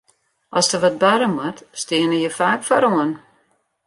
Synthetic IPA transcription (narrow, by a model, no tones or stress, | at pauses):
ʔɔsdəʋɔt̚baɾəmatstɪənəjəfaːkfɔɾoən